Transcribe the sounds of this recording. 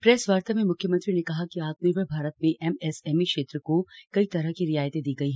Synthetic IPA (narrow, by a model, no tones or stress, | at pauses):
pɾɛːsʋaːɾt̪amẽmʊkʰjəmɐ̃nt̪ɾinekɐɦakiaːk̪̚nipɐbʱaːɾət̪mẽʔɛmɛsɛːmikʃeːt̪ɾəkokɐit̪ɐɾəkiɾɪjaːjt̪ed̪iːɡɐiɦɛ̃ː